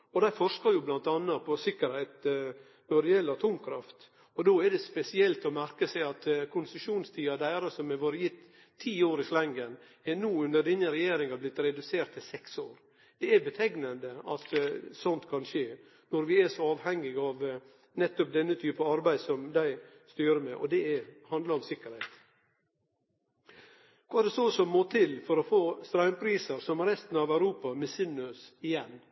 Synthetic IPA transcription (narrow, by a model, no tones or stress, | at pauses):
ɔd̪æɪfɔʂkɑɾjʊblɑnt̪ɑnːɑpʰɔsɪkːəɾheɪt̪ | nɔɖɛjɛlːəɑt̪ʰuːmkʰɾɑft̪ | ɔd̪oːɛɖɛspɛsɪɛlt̪ɔmæɾkəsæɪɑt̪kʰʊnsəʂuːnst̪ʰiːɑd̪æɪɾəsɔmɛʋoːɾəjɪt̪ʰː | iːoːɾɪslɛŋɡən | ɛnuːʉnd̪əɖ̪ɛnːəɾɛjeːɾɪŋɑblɪt̪ːɾɛd̪ʉseːɾʈt̪ʰːɪlsɛksoːɾ | d̪̥ɛæbət̪ʰɛɡnənd̪əɑt̪sɔnt̪kʰɑnʃeː | nɔɾʋɪæʂɔɑːʋhɛŋːɪɡɑʋ | nɛt̪ːɔp̚d̪ɛnːət̪ʰyːpəɑɾbæɪd̪sɔmd̪æɪ | st̪yːɾəmɛʔɔ̰d̪ɛɛhɑnd̪ləɾɔmsɪkːəɾhɛɪt̪ | kʰɑːɛɾɖ̪ɛsɔsɔmmoːt̪ʰɪlfɔɾɔfoːst̪ɾɑʏmpʰɾiːsəɾsɔmɾɛst̪n̩ɑʋæʉɾuːpɑmɛsɪnːʉsɪjɛnː